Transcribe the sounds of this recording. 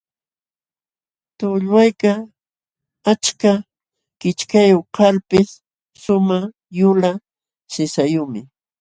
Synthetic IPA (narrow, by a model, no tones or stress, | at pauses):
t̪ʊʎwajka | at͡ʃka | kɪt͡ʃkajoqaɾpɪsː | ʊma | jʊla | sɪsajʊmɪ